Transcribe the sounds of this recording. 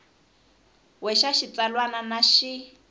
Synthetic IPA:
wɛʃaʃit͡salwananaʃi

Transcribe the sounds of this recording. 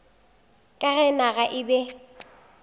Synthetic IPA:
kʼaɣɛnaɣaʔɪbɛ

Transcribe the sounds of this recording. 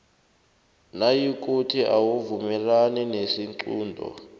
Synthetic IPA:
najik̬ʼutʰiʔawuvumɛlaninesiŋǀuːndʱɔ̰

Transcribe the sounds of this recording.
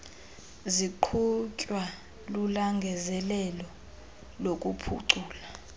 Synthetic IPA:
ziǃʰucʼwa | lulaŋɡʱɛzɛlɛlɔ | lokʼupʰṵǀuːla

